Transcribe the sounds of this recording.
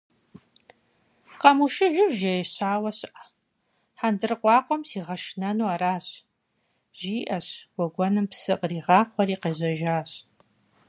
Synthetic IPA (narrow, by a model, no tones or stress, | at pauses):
qɐmuʃɪʒɪwʒejɕaːwɐɕʔ | ħandɨrɨqʷɑːqʷɔmsiːʁɐʃnɐnuːaɾaːɕ | ʒiːʔɐɕw̥ʷɔɡʷɔnɨmpsɨqriːʁɑːqʷɔɾiːqeːʑɐʒaːɕ